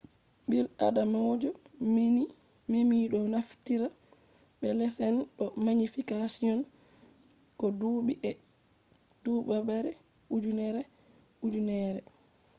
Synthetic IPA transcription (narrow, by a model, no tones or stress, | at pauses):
bila̰damawod͡ʒɔ | memiɗɔnaftiɾa | bɛlɛsɛnɗɔmaɲifikasiɔn | kɔduɓiʔɛ | d̥ubabaɾɛ | ud͡ʒunɛɾɛ | ud͡ʒunɛɾɛ